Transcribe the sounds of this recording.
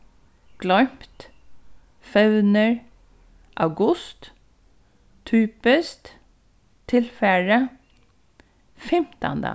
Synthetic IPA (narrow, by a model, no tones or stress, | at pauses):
ɡ̥lɔjm̥t̪ | fɛʋnəɹ | ʔawɡʊst̪ | t̪ʰːyːpəst̪ | t̪ʰːɪlfæɹə | fɛm̥t̪a̰nd̪ə̰